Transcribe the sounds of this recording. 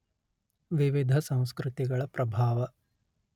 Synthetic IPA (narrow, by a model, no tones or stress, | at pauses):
ʋiʋid̪ʱɐsɐ̃w̃skɾɨt̪iɡɐɭɐpɾɐbʱaːʋɐ